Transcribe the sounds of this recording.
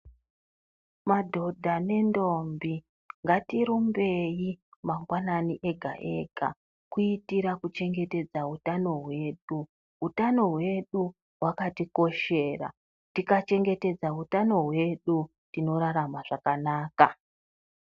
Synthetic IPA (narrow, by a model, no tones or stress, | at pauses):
madʱo̞dʱane̞ndombi | ŋɡatiɾumbe̞jimaŋɡwananiʔe̞ɡʱa̰ʔe̞̰ɡʱa̰ | kuitiɾakut͡ʃe̞ŋɡe̞te̞d͡zautano̞ɦwe̞ɗu | ɦutano̞ɦwe̞ɗu | ɦwakatiko̞ʃe̞ːra̰ | tikat͡ʃe̞ŋɡe̞te̞d͡zaɦutano̞ɦwe̞ɗu | tino̞ɾaɾamaʐakanaːka